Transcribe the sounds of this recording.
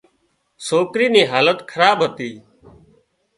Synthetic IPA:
soːkɾiːniːɦaːlət̪kʰəɾaːɓɦət̪iː

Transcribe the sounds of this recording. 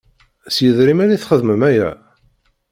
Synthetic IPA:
sjəðɾimæniθχəðməmæjæ

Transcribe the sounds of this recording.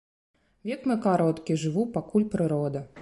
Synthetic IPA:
vʲɛkmɨkaɾɔt̪kʲiʐɨʋupakulʲpɾɨɾɔd̪ɐ

